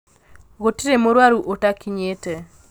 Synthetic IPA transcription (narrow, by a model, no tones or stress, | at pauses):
ɣotiɾemoɾwaɾuʔotakiɲete